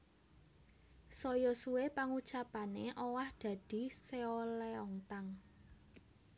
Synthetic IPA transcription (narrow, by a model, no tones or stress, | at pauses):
sɔjɔsuwepaŋut͡ʃapaneʔɔwahd̪̥ä̤d̪̥i̤seolɛɔŋt̪aŋ